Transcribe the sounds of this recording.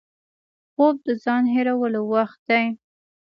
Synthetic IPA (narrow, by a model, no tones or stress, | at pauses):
xob̚d̪əzɑnɦeɾawəlowaxt̪̚d̪aj